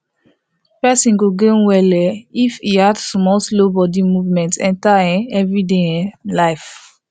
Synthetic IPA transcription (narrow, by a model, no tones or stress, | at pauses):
pɛsĩnɡoɡẽwɛlɛifihadsmɔlslobɔdimuvmɛ̃ntɛ̰̃ntaɛ̃ɛvɹideɛ̃laɪf